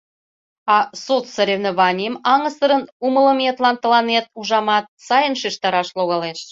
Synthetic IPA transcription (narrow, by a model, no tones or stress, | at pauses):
ɑsot̪səɾʲevneβɑnʲimɑŋəsəɾənumə̆lə̆met̪lɑnt̪ːə̆lɑnet̪̚uʒɑmɑt̪̚sɑjənʃiʃt̪ɑɾɑʃloɣɑleʃ